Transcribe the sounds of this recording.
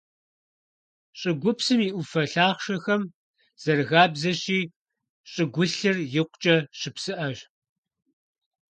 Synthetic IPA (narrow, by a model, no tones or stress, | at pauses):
ɕʼɪɡʷʊpsɨmiːʔʷʊfɐɬaːχʃɐxɐm | z̥ɐrɣaːbzɐɕiː | ɕʼɪɡʷʊɬɨrjɪqʷt͡ʃʼɐɕɪpsɨʔɐɕ